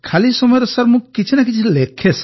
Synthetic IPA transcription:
kʰalisɔmɔjɾesaɾmũkit͡ʃʰinak̬it͡ʃʰilekʰes

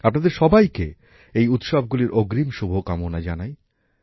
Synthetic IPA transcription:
apnad̪eɾʃɔbajke | ejut̪ʃab̚ɡuliɾʔoɡɾimʃubʱokamonad͡ʑanaj

